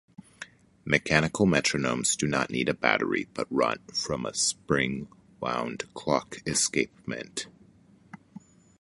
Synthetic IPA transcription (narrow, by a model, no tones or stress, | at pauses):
mɨkʰæñɨkl̩ˠmɛt͡ʃɹ̥ɨnõʊ̃mz̥dɨnə̰ʔⁿniɾɨbæ̰ɾə̰˞ḭb̥ʌt̚ɹʌ̰̃nfɹʌ̃mə̰spɹɪ̃ŋ | wã̰ʊ̃nd̥kʰl̥ɑkɨskeɪp̚mɨ̰̃nt